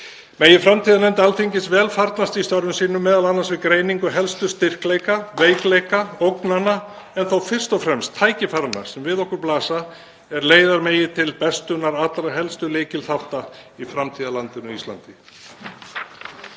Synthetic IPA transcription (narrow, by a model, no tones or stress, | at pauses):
meːjɪfɾamt̪ʰiːðalɛnt̪alθiɲcɪsvɛːlfaɾt̪nast̪ist̪œɾðʏmsiːnʏmɛːðalanːansvɪðkɾeːjniŋkʏɦɛlst̪ʏst̪ɪr̥kleːjkaveːjklejkaowknanːa | ɛnθawfɪr̥st̪ɔwfɾɛmst̪ʰːaːjcɪfaɾana̰sɛmvɪðɔhkʏɾplaːsa | ɛɾleːjðaɾmeːjɪt̪ʰɪlpɛst̪ʏnaɾaːt̪lɾaɦɛlst̪ʏleːcɪlθaft̪aifɾamt̪ʰiːðalant̪ɪnʏist̪la̰nt̪ɪ